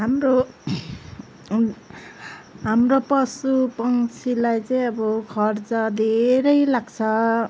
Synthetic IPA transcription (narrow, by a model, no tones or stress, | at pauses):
ɦamɾo | ɦamropʌsupʌŋt͡sʰilajt͡sʌĩʌbʌkʰʌrt͡sʌd̪ʱeɾʌjlaɡt͡sʰʌ